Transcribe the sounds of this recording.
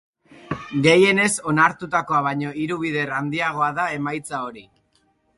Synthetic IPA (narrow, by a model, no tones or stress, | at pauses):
ɡe̞je̞ne̞so̞naɾt̪ut̪ako̞aβ̞aɲo̞iɾuβ̞iðe̞rand̪iaɣ̞o̞aðae̞majt͡sao̞ɾi